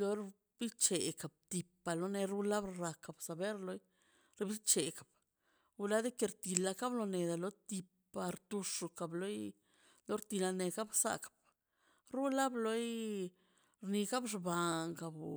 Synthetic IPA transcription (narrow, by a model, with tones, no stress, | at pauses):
lo˧ɾ | b̥i˦t͡ʃe˨ka˨b̚t̪i˨pːa˨lo˧ne˧ɾu˦la˦bɾɾa˨ka˨bsa˨be˦ɾlo˧˦j | ɾbi˦t͡ʃe˨kḁ˨b̚ | u˧la˦d̪e˦ke˧ɾt̪i˧la˧ka˦blo˧ne˨d̪a˨lo˧t̪i˧pː | a˨ɾt̪u˧ʂu˧ka˨blo˦j | lo˨˦ɾt̪i˧la˧ne˧ka˦bsa̰˨kḁ˨b̚ | ɾu˦la˦blo˧˦j | ɾni˧ka˦bʂba˨ŋka˨b